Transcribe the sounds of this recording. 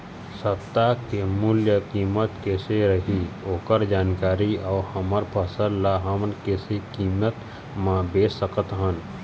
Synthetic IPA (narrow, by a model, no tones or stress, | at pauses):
sət̪ːakemʊljəkiːmət̪keseɾəɦioːkəɾd͡ʒaːnkaːɾiɔːhəməɾpʰəsəllaɦəmnkesekiːmət̪ | mãbeːsəkət̪ɦən